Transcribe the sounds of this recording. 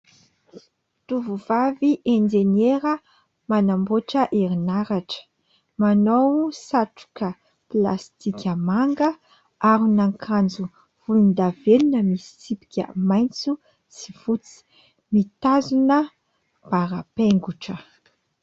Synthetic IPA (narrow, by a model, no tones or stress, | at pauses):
t̪uvuvaviʔend͡ʒeneɾə | manamboʈ͡ʂəʔeɾinaɾaʈ͡ʂə̥ | manowsaʈ͡ʂu̥kə | pla̰st̪ikʲəmaŋɡə | aɾunaŋkʰand͡zu | v̥ulund̪avelunəmisi̥sipi̥kʲə̰majnt͡su | si̥v̥ut͡si̥ | mit̪azunə | b̥aɾapeŋɡuʈ͡ʂə